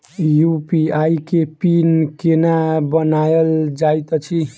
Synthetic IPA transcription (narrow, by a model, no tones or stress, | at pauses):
jupiajkepinkenabənajəld͡ʒajt̪t͡ʃʰi